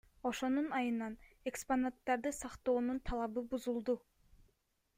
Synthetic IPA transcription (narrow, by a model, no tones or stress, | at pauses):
o̞ʃo̞nunɑjɯnɑn | e̞ksponat̪ːɑɾd̪ɯsɑqt̪o̞ːnunt̪ʰɑlˠɑβɯbuzulˠd̪u